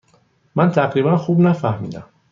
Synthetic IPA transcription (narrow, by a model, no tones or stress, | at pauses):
mænt̪ʰæɢɾiːbænxuːbnæfæhmḭːd̪æ̰m